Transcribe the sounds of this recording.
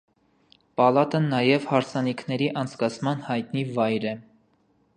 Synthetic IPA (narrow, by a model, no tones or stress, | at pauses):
pɑlɑt̪ənːɑjɛvhɑɾsɑnikʰnɛɾiʔɑnt͡sʰkɑt͡sʰmɑnhɑjt̪nivɑjɾɛ